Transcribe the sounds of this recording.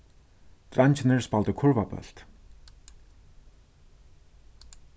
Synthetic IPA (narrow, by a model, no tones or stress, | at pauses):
t̪rant͡ɕʰnerspɔɮt̪ə̆kʰɵrpapœ̰ɬt̪